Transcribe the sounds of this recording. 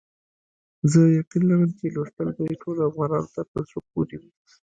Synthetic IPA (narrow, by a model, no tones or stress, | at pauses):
zəjaqinlaɾəmt͡ʃeloʂt̪əlb̪aiʈʰolafɣɑnɑnot̪ap̪əzɾopoɾiwi